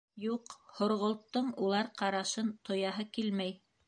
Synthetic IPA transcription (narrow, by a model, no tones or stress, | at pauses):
juqhŏɾʁŏlˠt̪ːɤɴulˠɑɾqɑɾɑʃɤnt̪ʰŏjɑɦɤkilmæj